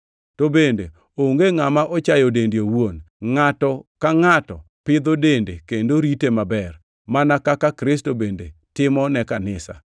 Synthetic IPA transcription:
tobendḛ | oŋɡeŋamaʔɔt͡ʃajodendjowon | ŋatɔkaŋatɔ̰ | pɪd̪odendḛkendoɾitemabɛr | manakakakɾɪs̬tobende | tɪmɔnɛkanɪsa̰

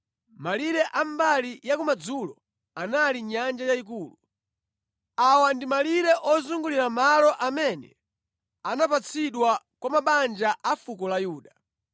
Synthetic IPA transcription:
maliɾɛʔambalijakumad͡zulɔ̰ | analiɲand͡ʒajaikuːlu | awandimaliɾɛʔɔzuŋɡuliɾamalɔʔamɛnɛ̰ | anapat͡sʰiɗwa | kwamaɓand͡ʒaʔafukɔlajuːɗa

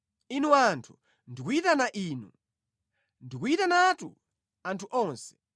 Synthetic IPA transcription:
inuantʰu | ndikuitanaʔiːnu | ndikuitanatṵ | antʰuʔɔːnsɛ̥

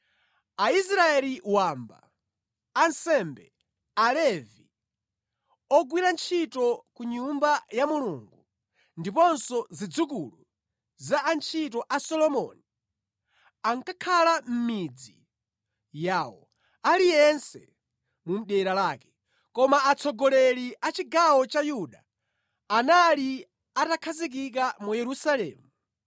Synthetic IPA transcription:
ais̬ɾaɛliwamba̰ː | nsɛmbɛ̰ | alɛvi | ɔɡwiɾant͡ʃʰitɔkuɲumbajamuluŋɡu | ndip̬ɔnsɔzid͡zukulu | zaʔːnt͡ʃʰit̬ɔʔasɔlɔmɔni | aŋkakʰalam̩mid͡zḭ | jaːwɔ̰ | alijɛnsɛ̰ | mum̩ɗɛɾalaːkɛ̥ | kɔmaat͡sʰɔɡɔlɛliʔat͡ʃiɡawɔt͡ʃajuɗaː | nali | atakʰazik̬ik̬amujɛɾusalɛ̰ːmu

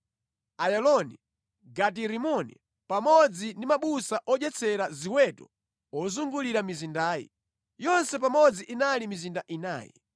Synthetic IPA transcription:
ajɛlɔnḭ | ɡat̬iɾimɔnḭ | pamɔd͡zindimaɓusaʔɔd͡ʒɛt͡sʰɛɾaziwɛtɔ̰ | ɔzuŋɡuliɾamizindaːjḭ | jɔnsɛp̬amɔd͡ziʔinalimizindaʔina̰ːjɛ̰

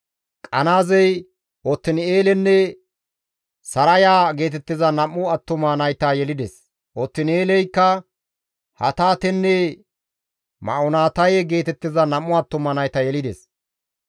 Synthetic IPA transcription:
kʼɐnaːzɛj | ɔt̪ːɪneːlɛnːɛ | sɐɾɐjaːɡe̞ːt̪ɛt̪ːɪzɐnɐmːʊɐt̪ːʊmɐnɐjt̪ajɛlɪd̪ɛs | ʔɔt̪ːɪneːlɛjkːɐ | hɐ̰t̪aːt̪ɛnːɛ | mɐ̰ɔnaːt̪ɐjɛɡe̞ːt̪ɛt̪ːɪzɐnɐmːʊɐt̪ːʊmɐnɐjt̪ɐjɛlɪd̪ɛs

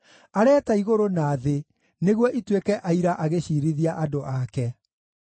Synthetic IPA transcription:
aɾɛːtaiɣoɾonaːðe | neɣwɔʔitwekɛʔaiɾaʔaɣeɕiːɾiðiaʔadoʔakɛ

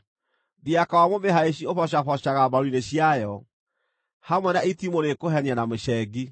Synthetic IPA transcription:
ðiakawamomeɦaeɕ̬iofɔɕafɔɕaɣabaɾineɕjajɔ | hamwɛnaitimoɾekoɦɛnianamoɕɛɡi

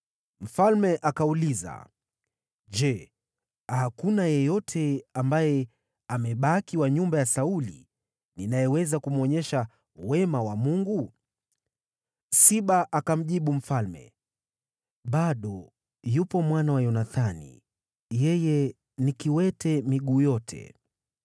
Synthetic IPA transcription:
m̩falmɛʔakauliza̰ | ʄɛ | hakunajɛjɔtʰɛambajɛ | amɛɓakiwaɲumbajasaulḭ | ninajɛwɛzakum̩ɔɲɛʃa | wɛmawamuŋɡu | siɓaʔakam̩ʄiɓum̩falmɛ̰ | ɓaɗɔ | jupɔmwanawajɔnaθanḭ | jɛjɛ | nikiwɛtɛmiɠuːjɔtʰɛ̰

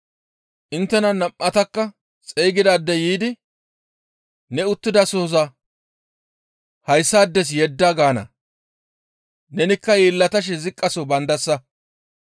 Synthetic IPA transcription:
ʔɪnt̪ːɛnɐnɐmʔːɐt̪ɐkːɐ | t͡sʼɛjɡɪd̪aːd̪ːɛjiːd̪ɪ | nɛʊt̪ːɪd̪ɐsoːzɐ | hɐjsːaːd̪ːɛs̬jɛd̪ːaɡaːnɐ̰ | nɛnɪkːɐjeːlːɐt̪ɐʃ̬ɛzɪkʼːɐsobɐnd̪ɐsːɐ

